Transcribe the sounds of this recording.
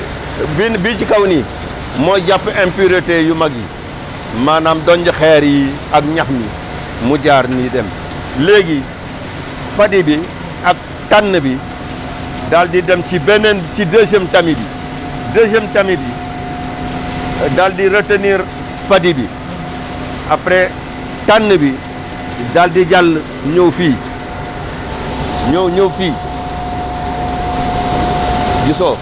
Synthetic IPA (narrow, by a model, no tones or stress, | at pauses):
binbit͡ʃikawni | moɟapːempiɾetejumaɡḭ | manamdoɲd͡ʒixeɾi | akɲaxmḭ | muɟaːɾnidem | leɡi | fadibi | ak̚ | tanːəbi | daldidemt͡ʃibenent͡ʃideʃ̬emtamibi | dəːʃ̬emtamibi | daldiɾɐtəniɾ | fadibḭ | apɾe | tanːəbi | daldid͡ʒal | ɲowfiː | ɲoɲowfiː | d͡ʒiso